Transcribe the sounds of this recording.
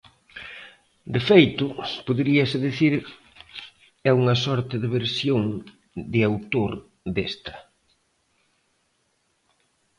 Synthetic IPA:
d̪efejt̪ʊpoðɾiɐsɪðiθiɾ | ɛuŋɐsɔɾt̪ɪðɪβeɾsjoŋ | d̪ɪawt̪oɾ | d̪est̪ɐ

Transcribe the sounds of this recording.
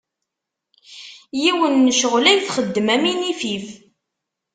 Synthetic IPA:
jiwənːəʃəʁlæjθχəd̪ːəmæminifif

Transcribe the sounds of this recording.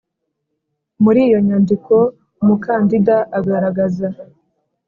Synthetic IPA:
muɾiːjo̞ɲandikʰo̞ | mukaːndidaʔaɡaɾaɡaza

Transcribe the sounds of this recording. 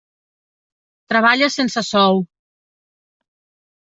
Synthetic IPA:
t̪ɾəβaʎəsensəsɔw

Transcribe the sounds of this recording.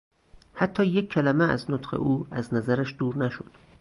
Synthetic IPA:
hæt̪ʰːɒːjekʰːælæmeæ̰znot̪xḛʔuːæznæzæɾæʃd̪uːɾnæʃo̰d̪̥

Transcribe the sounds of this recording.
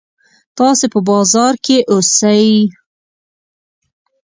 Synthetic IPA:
t̪ɑsepəbɑzɑɾkeʔosaj

